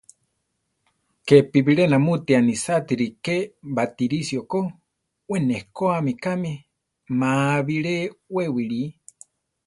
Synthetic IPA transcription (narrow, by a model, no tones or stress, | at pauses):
kepiβiɺenamut̪ianisat̪iɾikebat̪iɾisioko | wenehkoamikami | maβiɺewewiɺi